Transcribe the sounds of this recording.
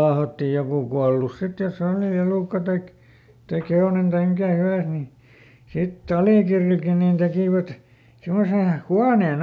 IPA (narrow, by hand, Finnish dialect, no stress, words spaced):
lɑːhɑtːi jokuˑ kuɑlus sit jos oˑli eluˑkːɑ tɑik tɑik heonen tɑim mikæ hyʋæˑs ni sitː ɑliˑkirːilkin nin tekiˑʋæt simːose huɑneːn